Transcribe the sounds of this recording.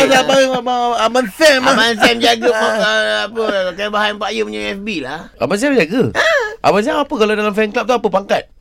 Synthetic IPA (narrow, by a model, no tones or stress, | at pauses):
abaabaamansɛmmans̬ɛmd͡ʒaɡəpaapəkajabaɦanpaʔjəməɲaɛfbilaa̰bans̬ɛmd͡ʒaɡəʔa̰bans̬ɛmapəkaladalamfɛnklap̚t̪uapəpaŋkat̪̚